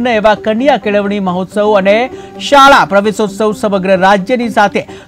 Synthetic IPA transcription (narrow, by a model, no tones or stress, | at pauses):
nəeʋakəɳjakeɭəʋɳ̃iməɦot̪səwəne | ʃaɭapɾəʋesot̪səwsəməɡɾəɾad͡ʒjənisat̪ʰe